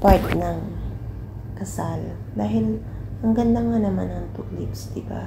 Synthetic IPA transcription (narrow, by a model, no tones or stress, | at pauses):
paɹt̪̚nɐŋ | kɐsal | d̪aːɦɪl | hɐŋɡɐnd̪aŋanɐmanʔɐnt̪ʊklipsd̪̥ɪba̰